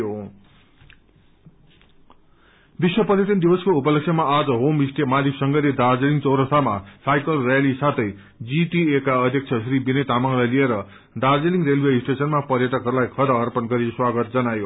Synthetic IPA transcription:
o | biswʌpʌrjʌʈʌnd̪ibʌskoupʌlʌksʰjʌmaad͡zʌɦomisʈemaliksʌŋɡʌɾed̪ad͡zeliŋt͡sʌwɾʌstamasajkʌlrjalisat̪ʰʌj | d͡ziʈiekaʌd̪ʱjʌk̚t͡sʰʌsribinʌjt̪amaŋlajlieɾʌ | d̪ard͡zeliŋrelbʱeisʈesʌnmapʌrjʌʈʌkɦʌɾlajkʰʌɾʌːrpʌnɡʌɾiswaɡʌt̪̚d͡zʌnajo

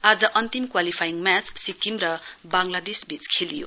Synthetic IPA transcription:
ad͡zʌʔʌnt̪imkwalipʰajiŋmɛt͡ʃsikːimɾʌbaŋlad̪esbit͡ʃkʰelijo̰

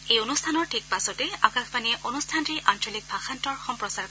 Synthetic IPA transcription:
ejonustʰanɔɹʈʰik̚pasɔtɛakaxʰbanɛʔonustʰantɹiʔansɹolik̚bʱaxantɔɹxɔmpɹɔsaɹ

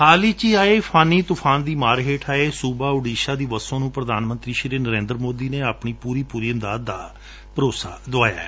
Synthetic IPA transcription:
haːliːt͡ʃiːaːeːpʰaːniːt̪ʊpʰaːnd̪iːmaːɾɦeːʈʰaːeːsuːbaːʊɖiːʃaːd̪iːʋəsõːnũːpɾəd̪aːnmənt̪ɾiːʃɪɾeːnəɾẽːnd̪əɾmoːd̪iːneːapɳiːpuːɾiːpuːɾiːənd̪aːd̪ːaː | pəɾoːsaːd̪oaːja̰ːɛ̰ː

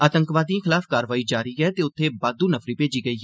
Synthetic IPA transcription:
aːt̪əŋkʋaːd̪iãkʰɪlaːfkaːɾʋaːiːd͡ʒaːɾiːɦɛːt̪eːʊt̪ʰːeːbaːd̪uːnəfʰɾiːpeːd͡ʒiːɡəiːɦɛ

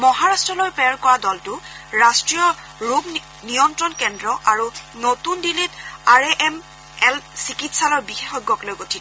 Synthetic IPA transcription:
mɔɦaɹastɹɔlojpɛɹkɔɹadɔltʊɹastɹijɔ | ɹoɡ | nijɔntɹɔnkɛndɹɔʔaɹunotundilitaɹeʔɛm | ɛlsikitʰsalɔɹbixexɔɡːɔklojɡotʰit

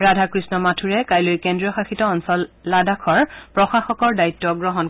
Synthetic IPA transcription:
ɹadʱakɹisnɔmatʰuɹɛkajlojkɛndɹɔxaxitɔːnsɔlːadakʰɔɹpɹɔxaxɔkɔɹdaitːɔɡɹɔɦɔn

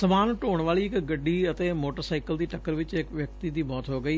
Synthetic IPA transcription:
səmaːnʈoːɳ̃ʋaːliːɪkɡəɖiːət̪eːmoːʈəɾsaːɪkəld̪iːʈəkːəɾʋɪt͡ʃɪkʋjək̚t̪iːd̪iːmɔːt̪ɦoːɡəiː

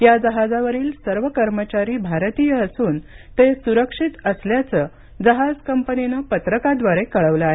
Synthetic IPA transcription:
jad͡zəɦad͡zaʋəɾiːlsəɾʋəkəɾmət͡ɕaɾiːbʱaɾt̪ijəːsuːnt̪esuɾəkʂit̪əsljat͡səː | d͡zəɦad͡zkəmpəninapət̪ɾəkad̪ʋaɾekəɭəʋləaɦe

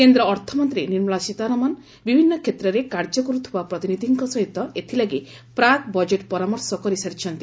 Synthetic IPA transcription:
kend̪ɾɔːɾt̪ʰɔmɔnt̪ɾiniɾmɔɭasit̪anɔmɔn | bibʱinːɔkʰet̪ɾɔɾekaɾd͡ʒɔkɔɾut̪ʰibapɾɔt̪inid̪ʱiŋkɔsɔɦit̪ɔet̪ʰilaɡi | pɾakbɔd͡ʒeʈpɔɾamɔɾsɔkɔɾisaɾit͡ʃʰɔnt̪i

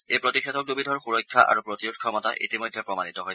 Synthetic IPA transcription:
ejpɹotixetʰɔk̚zobidʱɔɹxuɹɔjkʰːaʔa̰ɹupɹotiokkʰːɔmɔta̰ʔḭtimojdʱːɛpɹɔmanitɔɦoj

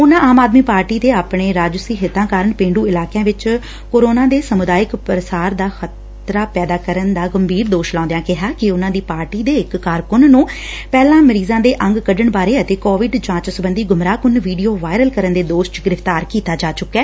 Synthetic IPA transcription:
ʊnãːaːmaːd̪miːpaːɾʈiːd̪eːaːpɳeːɾaːd͡ʒʊsiːɦɪt̪ːãːkaːɾəɳpẽːɳɖuːɪlaːkjãːʋɪt͡ʃ | koːɾoːnãːd̪eːsəmʊd̪aːɪkpɾəsaːɾd̪aːxət̪ɾaːpɛːd̪aːkəɾənd̪aːɡəmbʱiːɾd̪oːʃlãːnd̪ejãːkɪɦaːkɪʊnãːd̪iːpaːɾʈiːd̪eːɪkːaːɾkʊnnũː | pɛːlãːməɾiːzãːd̪eːʔəŋɡkəɖəɳbaːɾeːət̪eːkoːʋɪɖd͡ʒãːt͡ʃsʊbənd̪iːɡʊmɾaːkʊnʋiːɖiːoːʋaːɪɾəlkəɾənd̪eːd̪oːʃʈɡɪɾɪft̪aːɾkiːt̪aːd͡ʒaːt͡ʃʊkːɛː

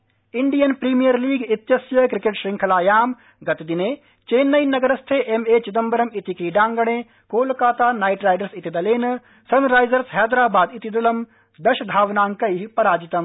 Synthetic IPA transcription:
iɳɖijɐnpɾiːmijɐɾliːɡit̪jɐsjɐkɾɪkeʈʃɾĩŋkʰɐlaːjaːm | ɡɐt̪id̪ineː | t͡ʃeːnːɐjnɐɡɐɾɐst̪ʰeʔemeːt͡ʃid̪ɐmbɐɾɐmit̪ikɾiːɖãːŋɡɐɽ̃ẽː | koːlkaːt̪aːnaːjʈɾaːjɖɐɾsit̪id̪ɐleːnɐ | sɐnɾaːjzɐɾsɦɛːd̪ɾaːbaːd̪it̪id̪ɐlɐm | d̪ɐʃɐd̪ʱaːʋnãːŋkɐjɦipɐɾaːd͡ʒit̪ɐm

